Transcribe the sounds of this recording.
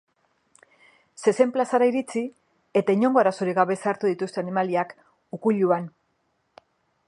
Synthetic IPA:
se̞se̞mplasaɾaiɾit͡si | e̞t̪aiɲo̞ŋɡo̞aɾasuɾiɣaβe̞saɾt̪uðit̪ust̪e̞animaliak | ukuʎuan

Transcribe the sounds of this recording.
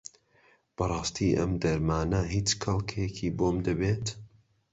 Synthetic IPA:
b̥ɐɾˤɑːst̪ʰiːʔɐ̰md̪ɐɾmaːnɐhit͡ʃkɐlˠkʰekʰiboːmd̪ɐbeːt̪

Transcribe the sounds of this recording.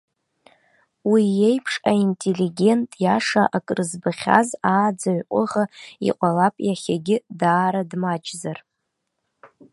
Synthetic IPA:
wiːe̞jpʰʂaintʼeliɡʲe̞ntʼjaʂaʔakʼrɨzbaχʲa̰zaːd͡zaɥqʷʼʊʁaḭqʷʼalapʼjaχʲaɡʲɪdaːɾadmat͡ʃʼzar

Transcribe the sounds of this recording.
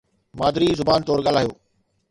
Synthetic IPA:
maːd̪ɾizʊbaːnt̪ɔːɾɠal̤aːjo̰ː

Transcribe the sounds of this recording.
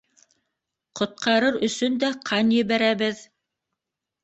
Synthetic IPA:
qŏt̪̚qɑɾɤɾɵ̆sɵnd̪æqʰɑnjɘ̆βæɾæβɘð

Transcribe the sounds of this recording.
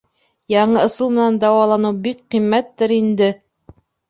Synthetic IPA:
jɑɴɤŏsɤlˠmɘ̆nænd̪ɑwɑlˠɑnɤwbik̚qimːæt̪ːɘɾind̪ɘ

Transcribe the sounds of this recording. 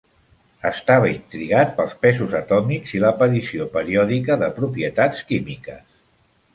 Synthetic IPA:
əst̪aβəint̪ɾiɣat̪̚pəlˠspɛzuzət̪ɔmikziləpəɾisiopəɾiɔðikəðəpɾupiət̪at͡skimikəs

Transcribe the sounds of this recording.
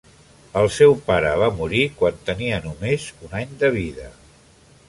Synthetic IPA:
əlˠsɛwpaɾəβ̞amuɾikwant̪əniənumezunaɲd̪əβ̞iðə

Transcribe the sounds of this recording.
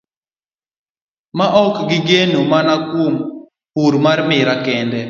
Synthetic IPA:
maʔɔkɡɪɡenomanakwom | puɾmarmɪɾakɛndɛ

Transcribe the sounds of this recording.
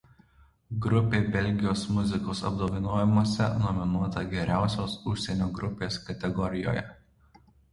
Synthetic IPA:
ɡɾʊpʲeːbʲɛlʲˑɡʲɪjoːsmʊzʲɪkoːsɐ̰b̚d̪oːʋʲɪnoːjɛmuɔsʲɛ̰nɔmʲɪnuɔt̪ɐɡʲɛɾʲæˑʊsʲoːsʊʃʲsʲɛnʲoːɡɾʊpʲeːskɐt̪ʲɛɡɔɾʲɪjo̰ːjɛ̰

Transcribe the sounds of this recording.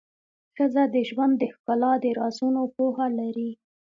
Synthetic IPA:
xəzad̪əʒwand̪ːəxkɑlɑd̪əɾɑzunopohalaɾi

